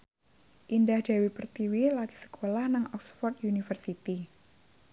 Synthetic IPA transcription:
ʔindahd̥awipərt̪iwilat̪i̥sə̥kʰolahnaŋɔksfɔrt̪̚junifərsit̪i

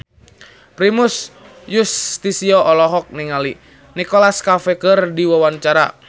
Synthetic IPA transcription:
pɾimus | just̪isiɔʔɔlɔɦɔk̚niŋali | nikɔlaskafɛkərdiwawaɲt͡ʃaɾa̰

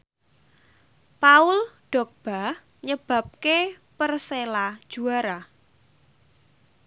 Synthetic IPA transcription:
paʊlɖ̥ɔ̤k̚b̥a̤h | ɲəb̥ä̤p̚ke | pərselad̥ʒ̥uaɾa

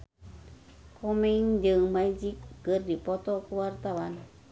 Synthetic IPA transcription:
komeŋdəŋmajd͡ʒikːɨrdipot̪okuwart̪awan

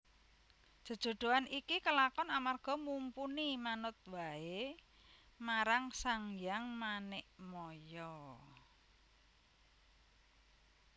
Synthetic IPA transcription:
dʒ̥ə̤d̥ʒ̥o̤ɖ̪̥o̤anikikəlakɔnamarɡ̥ɔ̤mumpunimanʊt̪̚wae | maɾaŋsaŋjaŋmanɪʔmɔjɔ

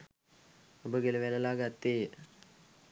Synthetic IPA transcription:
obəɡeləʋeləlaːɡat̪ːeːjə

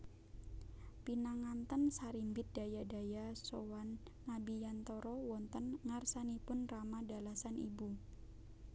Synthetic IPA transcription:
pinaŋant̪ənsaɾimbɪt̪̚d̥a̤jadajasowanː | abijant̪ɔɾɔwɔnt̪ənŋarsanipʊnramadalasanḭbu

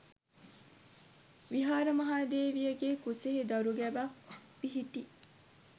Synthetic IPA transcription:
ʋiɦaːɾɐmɐɦaːd̪eːʋijəɡeːkuseɦed̪ɐɾuɡæʋabiɦit̪i

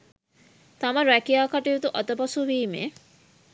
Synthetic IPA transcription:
t̪amɐɾækijaːkaʈijut̪uʔɔt̪ɐpɔsuʋiːmḛ

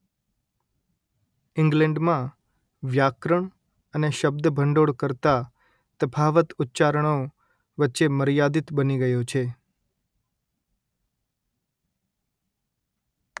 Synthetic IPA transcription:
ɪ̃ŋɡlɛ̃ɳɖmã | ʋjakɾəɳ | əneʃəb̚d̪əbʱəɳɖoɽkəɾt̪a | t̪əpʰaʋət̪ʊtːt͡ʃaɾəɳ̃o | ʋətːʃeməɾjad̪it̪bəniɡəjot͡ʃʰe

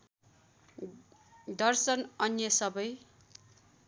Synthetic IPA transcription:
d̪ʌrsʌnʌnjʌsʌbʌj

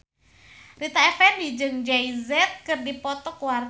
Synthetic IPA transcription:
rit̪aɛfɛndid͡ʒɨŋd͡ʒaizɛt̪̚kɨrdipɔt̪ɔkuwar

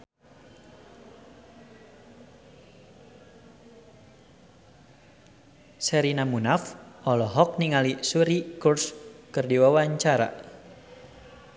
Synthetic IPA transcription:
sɛɾinamunafʔɔlɔɦɔk̚niŋalisuɾikurskɨrdiwawaɲt͡ʃaɾa̰

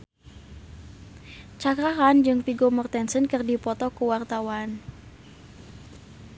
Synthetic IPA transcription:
t͡ʃakɾaɦand͡ʒɨŋpiɡomɔrt̪ɛnsənkɨrdipɔt̪ɔkuwart̪awan

